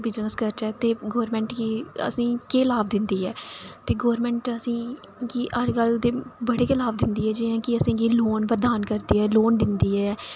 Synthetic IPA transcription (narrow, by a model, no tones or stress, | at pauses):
bɪd͡ʒnəskəɾt͡ʃɛːt̪eːɡoːɾmɛ̃ːɳʈkiə̰sĩːkeːlaːbd̪ɪnd̪iːɛːt̪eːɡoːɾmɛ̃ːɳʈəsĩː | kiːʔəd͡ʒkəld̪eːbəɽeːkɪlaːbd̪ɪnd̪iːɛːd͡ʒɪjãːkɪəsĩːɡiːloːnpəɾd̪aːnkəɾd̪iːɛːloːnd̪ɪnd̪iːɛː